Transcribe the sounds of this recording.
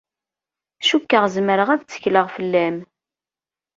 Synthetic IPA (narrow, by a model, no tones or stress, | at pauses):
ʃukːəʁzməɾəʁæðt͡sːə̥çləʁfəlːæm